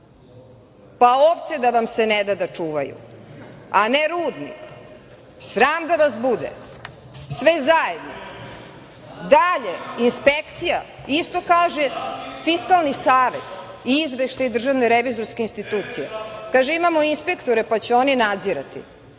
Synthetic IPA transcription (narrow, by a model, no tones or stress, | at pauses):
paoʋt̪sed̪aʋamsened̪ad̪at͡ʂuːʋajṵ | aneɾuːd̪nḭk | sɾaːmd̪aʋasbud̪ḛ | sʋezajed̪no̰ | d̪aʎeinspekt̪sija | ist̪o̞kaːʒefiskalˠnisaːʋe̞t̪ | izʋeʃt̪aid̪r̩ʒaʋneɾeʋizo̞ɾskeinst̪it̪uːt̪sijḛkaːʒeimamo̞inspe̞kt̪oɾepat͡ɕeo̞ninad̪ziɾat̪ḭ